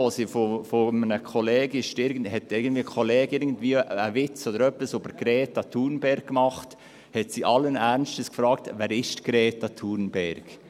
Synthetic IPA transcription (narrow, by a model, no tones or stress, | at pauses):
oːsifofomənəkʰolɛːɡɪʃtɪɾɡən̩hɛtɪɾɡən̩d̥viːəkʰolɛːɡɪɾɡən̩dviəəvɪt͡sod̪əɾœpəsubəɾɡ̥ɾɛːtɑtʰuːɾnbɛɾɡ̚ːmɑχt | hɛtsiʔɑlənæɾnstəskfɾɑːktvæːɾɪʃtɡ̥ɾɛːtɑtʰuɾnbɛɾɡ̥